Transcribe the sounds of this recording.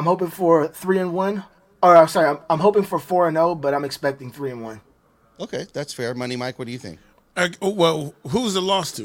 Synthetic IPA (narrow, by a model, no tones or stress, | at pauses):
ɪ̃mhoʊpɪ̃ŋfə˞θɹiɨ̃nwʌ̃n | oaɪmsɑɹiãɪ̃mãɪ̃mɦoʊpɪ̃ŋfə˞fɔɹɨ̃noʊbʌɾãɪ̃mɨkspɛk̚tɪ̃ŋθɹiɨ̃nwʌ̰̃n | oʊkʰeɪðætsfɛɹmʌnimaɪkwʌt̚dɨɨθɪ̰̃ŋk̚ | wɛlˠɦuzðəlɔstʰʉ